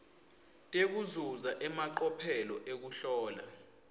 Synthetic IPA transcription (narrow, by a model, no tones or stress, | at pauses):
tʼek̬uzuzaʔɛmaǃɔpʰɛlɔʔek̬uɬɔːla̰